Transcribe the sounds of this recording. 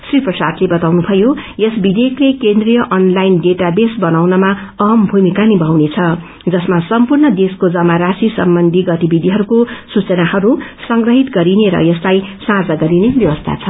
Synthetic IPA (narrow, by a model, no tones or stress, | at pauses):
sriprʌsad̪lebʌt̪awnubʱʌjojesbid̪eklekend̪rijʌʔʌnlajnɖeʈabesbʌnawnʌmaʌɦmbʱumikanibʱawnet͡sʰʌ | d͡zʌsmasʌmpurnʌd̪eskod͡zʌmaɾasisʌ̰mbʌnd̪ʱiɡʌt̪ibid̪ʱiɦʌɾukosut͡sʌnahʌɾusʌŋɡrʌɦit̪ɡʌɾineɾʌ̰jeslajsãd͡zaɡʌɾinebjʌwʌst̪ʰa̰t͡sʰʌ